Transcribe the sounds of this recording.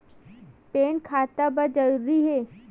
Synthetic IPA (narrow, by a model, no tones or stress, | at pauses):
peːnkʰaːt̪abɐd͡ʒɐɾuɾiɦeː